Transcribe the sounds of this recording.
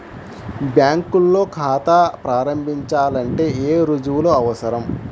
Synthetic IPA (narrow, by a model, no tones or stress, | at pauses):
bjaːŋkulːo̞ːkʰaːt̪apɾaːɾɐmbʱiɲt͡ʃaːlɐɳʈe̞ːeːɾud͡ʒuʋuloːɐʋɐsɐɾɐm